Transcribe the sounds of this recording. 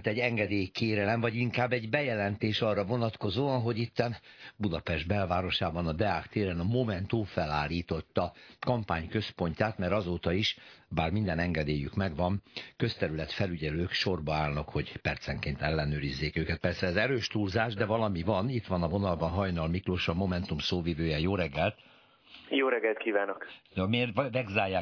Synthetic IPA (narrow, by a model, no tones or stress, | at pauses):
t̪ɛɟɛŋɡɛd̪eːjkeːɾɛlɛmvɒɟiŋkaːbːɛɟbɛjɛlɛnt̪eːʃɒrːɒvo̞nɒt̪ko̞zoːɒnɦo̞ɟit̪ːɛnbud̪ɒpɛʒd̪̚bɛlvaːɾo̞ʃaːbɒnɒd̪ɛaːkt̪eːɾɛnɒmo̞mɛnt̪umfɛlaːlːiːt̪o̞t̪ːɒkɒmpaːɲkø̞spo̞ɲcaːt̪mɛɾɒzoːt̪ɒiʃbaːrmind̪ɛnɛŋɡɛd̪eːjykmɛɡʋɒnkø̞st̪ɛɾylɛt̪fɛlyɟɛløːkʃo̞rbɒaːlnɒkho̞ɟpɛrt̪sɛŋkeːnt̪ɛlːɛnøːɾizːeːkøːkɛt̪̚pɛrsɛːzɛɾøːʃt̪ulzaːʒd̪ɛvɒlɒmivɒnit̪ʋɒnɒvo̞nɒlbɒnɦɒjnɒlmikroʃɒmo̞mɛnt̪umsoːvivøːjɛjoːɾɛɡːɛlt̪ | joːɾɛɡɛlt̪kiːvaːnokmeːrvɛɡzaːjaː